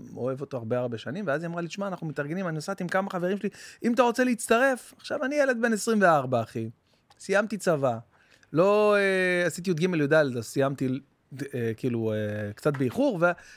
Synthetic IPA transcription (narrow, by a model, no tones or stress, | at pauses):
oe̞vo̞t̪o̞aʁbeaʁbe̞ʃanimveaziamʁaliʃmaːnaχnumet̪aʁɡenimaniosat̪imkamaχaveʁimʃeliimat̪̬aʁo̞t͡seleit͡st̪aʁe̞faχʃavanijele̞d̪̚be̞nesʁimve̞aʁbaːχi | sijamt̪it͡sava | lo̞easit̪̬iut̪̚ɡimeljod̪aldazsijamt̪i | ekiːluekt͡sat̪̚beiχuʁve